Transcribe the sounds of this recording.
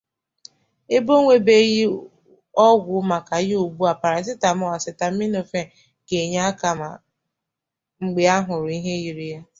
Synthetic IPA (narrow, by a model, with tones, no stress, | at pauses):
e˦bo˦ŋʷe˦be˦ji˦ | ɔ˦ɡʷʊ˨˦ma˨ka˨jɪ˦u˨bu˦a˨pa˨ɾa˨˦sɪ˦ta˨mʊ˦a˨sɪ˨ta˨m̩˦mi˦no˨fe˦ | ɡe˨ɲa˦a˦ka˨ma̰˨ | ŋ͡m̩˨ɡ͡be˨a˦ɦʊ˨ɾʊ˨i˦ɦe˦ji˨ɾi˦ja˦